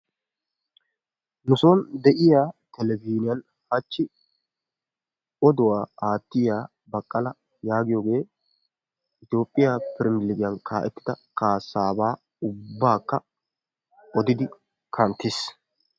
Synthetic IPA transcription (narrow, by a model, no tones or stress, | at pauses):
nʊsoːnd̪ɛʔɪjaːt̪ɛlɛbiːnɪjɐn | hɐt͡ʃːɪ | ɔd̪ʊwaːaːt̪ːɪjaː | bɐkʼːɐlɐ | jaːɡɪjoːɡe̞ː | ʔɪt̪jo̞ːpʼːɪjapɪɾɪmɪlɪɡɪjɐnkʰaːʔɛt̪ːɪ̥d̪ɐkʰaːsːaːbaː | ʊbːaːkːɐ | ɔd̪ɪd̪ɪ | kʰɐnt̪ːɪs